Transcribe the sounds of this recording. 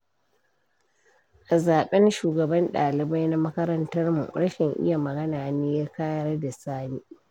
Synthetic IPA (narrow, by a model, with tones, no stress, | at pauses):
ʔa˨zaː˨ɓɛ˦nʃuː˨ɡɐ˨bɐ˦nɗaː˨lɪ˨ba˦jna˦mɐ˦kɐ˦ɾɐ˦ntɐ˦rmṵ˨ɾɐ˦ʃɪ˨ŋʔɪ̰˦ja˨mɐ˨ɡɐ˦naː˨neː˦jaː˦kaː˦jɐ˦ɾda˨saː˦niː˦